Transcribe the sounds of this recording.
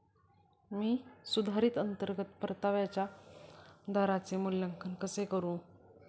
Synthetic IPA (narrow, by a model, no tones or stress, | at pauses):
miːsud̪ʱaɾiːt̪ənt̪əɾɡət̪pəɾt̪aʋjat͡ɕja | d̪ʱaɾat͡semulljəŋkʰənkəsekəɾũː